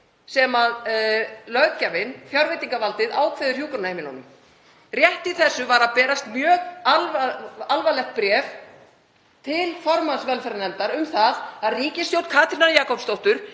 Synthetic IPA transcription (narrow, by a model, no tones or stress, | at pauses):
sɛmað | lœɣðcavɪnfjawɾvejt̪iŋkavalt̪ɪðaːwkʰvɛɪðʏɾ̥r̥juːkʏɾnahejmɪlɔnʏm | rjɛht̪iθɛsːʏvaɾaðpɛːɾast̪mjœːɣalvalvalɛxt̪̚pɾjɛv | t̪ʰɪlfɔɾmansvɛlfɛɾanɛmt̪aɾʏmθaðaðriːcɪst̪jowt̪kʰaːt̪ɾinaɾjaːkɔpst̪owht̪ʏɾ̥